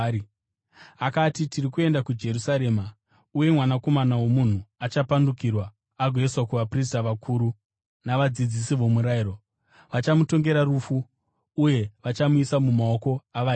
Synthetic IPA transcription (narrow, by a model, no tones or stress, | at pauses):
akatitirikue̞ndakud͡ʒe̞rusaɾe̞ːma | uje̞mwanako̞manawo̞mun̤uat͡ʃapandukirwaː | ɡʱwe̞swakuʋapris̬taʋakʰuːɾu | naʋad͡zid͡zisiʋo̞muɾaiɾo | ʋat͡ʃamuto̞ŋɡe̞ɾaɾufuː | je̞ʋat͡ʃamuisamumao̞ko̞aʋa